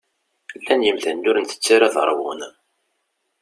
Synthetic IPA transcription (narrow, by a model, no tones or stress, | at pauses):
lːænjəmθænːʊɾnt̪ə̥t͡sːaɾaðə̰ɾˤwʊn